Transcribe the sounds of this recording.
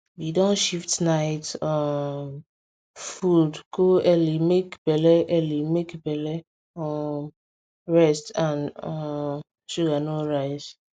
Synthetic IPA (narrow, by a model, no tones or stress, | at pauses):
widɔ̃nʃiftnaɪtɔm | fudɡoɛlimekbɛlɛʔɛlimekbɛlɛ | ɔ | ɹɛstãnɔ | ʃuɡanoɹaɪz̥